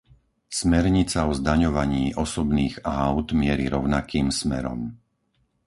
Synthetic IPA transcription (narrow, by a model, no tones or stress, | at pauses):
smɛɾɲit͡saɔzd̪aɲɔʋaɲiːʔɔsɔbniːɣaʊd̪mɪɛɾiɾɔʊnakʰiːmsmɛ̰ɾɔ̰m